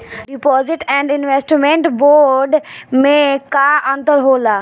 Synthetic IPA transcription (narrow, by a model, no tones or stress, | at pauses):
ɖipɔːzɪʈɛ̃ːɳɖɪnʋeːsʈmẽɳʈboːɾɖmẽkaə̃nt̪əɾɦoːlaː